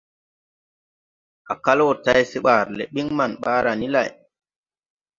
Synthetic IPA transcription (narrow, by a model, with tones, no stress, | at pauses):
a˨ka˦lo˦˨ta˦jsi˦ɓa˨ɾlḛ˨ɓi˦ŋma˨nɓaː˦ɾa˨ni˦la̰˨j